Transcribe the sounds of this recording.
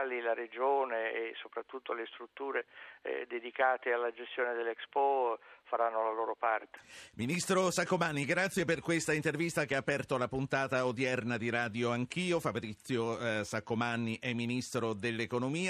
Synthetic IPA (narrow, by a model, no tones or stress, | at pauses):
lilaɾed͡ʒoːneːsːopɾat̪ːut̪ːolest̪ɾut̪ːuːɾed̪ed̪ikaːt̪ealːad͡ʒest̪joːned̪elːɛkspɔfaɾanːolaloːɾopart̪e̥minist̪ɾosakːomanːiɡɾat̪sːjeperkwest̪aint̪ervist̪akeaːpːɛrt̪olapunt̪aːt̪aod̪jɛrnad̪iɾaːd̪joaŋk̟iːofabɾit̪sːjosakːomanːiʔɛmːinist̪ɾod̪elːekonomiː